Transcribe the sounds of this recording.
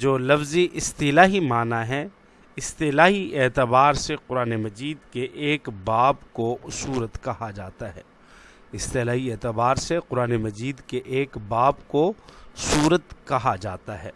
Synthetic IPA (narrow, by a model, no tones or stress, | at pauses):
d͡ʒoːlɐfziʔɪst̪ɪlaːɦimaːnaɦɛ | ɪst̪ɪlaːɦiʔeːt̪əbaːɾseqʊɾaːnemɐd͡ʒiːd̪keʔeːkbaːbkosuːɾət̪kɐɦad͡ʒaːt̪aɦɛː | ɪst̪ɪlaːɦieːt̪əbaːɾseqʊɾaːnemɐd͡ʒiːd̪keʔeːkbaːbkosuːɾət̪kɐɦad͡ʒaːt̪aɦɛː